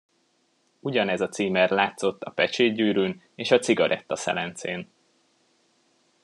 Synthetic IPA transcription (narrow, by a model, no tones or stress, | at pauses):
uɟɒnɛzɒt̪siːmɛrlaːt̪so̞t̪ːɒpɛt͡ʃeːɟɟyːɾyːn | eːʃɒt̪siɡɒɾʔɛt̪ːɒsɛ̰lɛnt̪sḛːn